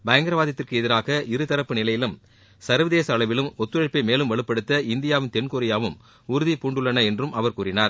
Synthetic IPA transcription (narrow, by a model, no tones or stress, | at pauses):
bɐjɐŋɡɐɾɐʋaːðɐt̪ːɪrkɯɛðɪɾaːɣɐʔɪɾɯt̪ɐɾɐpːɯnɪlɐjɪlɯm | sɐɾʋɐðeːsɐːɭɐʋɪlɯmɔt̪ːɯɐɻpːɐɪmeːlɯmʋɐɭɯpːɐɽɯt̪ːɐɪnd̪ɪjaːʋɪnt̪ɛnkoɾɪjaːʋɯm | ʊɾʊðipuːɳɖɯɭːɐnɐɛndrɯmʔɐʋɐɾkuːɾɪnaːɾ